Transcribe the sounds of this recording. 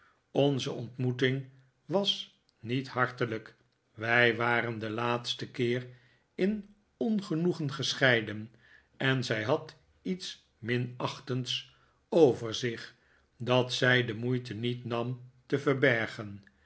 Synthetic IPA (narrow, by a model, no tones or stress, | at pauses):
onzəʔɔntmutɪŋ | ʋɑs | nithɑɹtələk | ʋɛjʋaːɾəndəlaːtstəkɪːr | ɪn | ɔnχənuχənχəsχɛjdən | ɛnzɛjɦɑt | its | mɪnɑχtəns | owvəɹzɪχ | dɑtsɛjdəmujtənitnɑmtəvəɹbɛɹχən